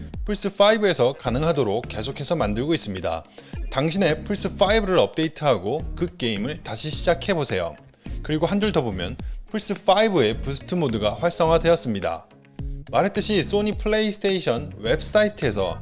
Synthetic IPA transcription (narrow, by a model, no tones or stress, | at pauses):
pʰuɭs͈ɯfʰaibɯe̞sʰʌkanɯŋɦadoɾok̚k͈e̞sʰokʰe̞sʰʌmandɯɭɡois͈ɯmɲida̰taŋɕʰine̞pʰuɭs͈ɯf͈ʰaibɯɾɯɾʌp̚t͈e̞itʰɯɦaɡokɯk͈e̞imɯɭtaɕʰiɕʰid͡ʑakʰe̞bosʰe̞jo̰ | kɯɾiɡoɦand͡ʑuɭdʌbomjʌnpʰuɭs͈ɯf͈ʰaibɯe̞pusʰɯ̥tʰɯmodɯɡaɸwaɭs͈ʌŋɦadwe̞jʌs͈ɯmɲida̰ | maɾɦe̞t͈ɯɕʰis͈oɲipʰɯɭeisʰɯ̥tʰeiɕʰʌnwe̞bs͈aitʰe̞sʰʌ̰